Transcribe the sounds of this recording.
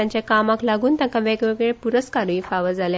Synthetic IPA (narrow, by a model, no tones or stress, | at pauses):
aɲt͡ɕjakamaklaɡuːnt̪akaʋeɡʋeɡɭepuɾəskaɾʋifaʋəd͡zalj